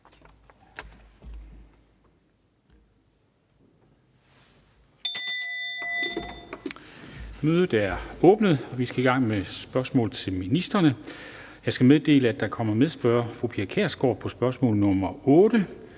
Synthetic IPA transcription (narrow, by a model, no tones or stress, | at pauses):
møːð̞ˠð̩ˠæɐɔ̽ːb̥nəð̞̩ˠɒ̽ʋisɡ̥æiɡ̥ɑ̈ŋ̰mesb̥ɶɐsmɔ̰̽ːlð̩ˠt͡sʰe̝lminisd̥ɐnə | jɑ̈ɪsɡ̥æmeðˠd̥e̝̰ːləæd̥ɑ̈kʰɒ̽m̰ɐmeðˠæsb̥ɶːɐfʁupʰiɐkʰeɐsɡ̥ɒ̰̥ːpʰɒ̽sb̥ɶɐsmɔ̰̽ːlð̩ˠnɔ̽mɐɔ̽ːd̥ə